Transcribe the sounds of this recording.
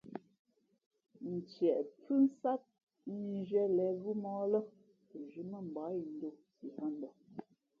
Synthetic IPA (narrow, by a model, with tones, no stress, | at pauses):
n̩˨t͡ʃjɛ˨ʔp͡fʉ˦n̩˦sa˦t̚ | mi˨ʒɥɛ˦lɛ˨˦ɣu˦mɔ˦lə˦ | ə˨ʒʉ˨mə˦˨m̩˨ba˨˦i˨n̩˦do˦si˨hɔ˦n˦dɔ˨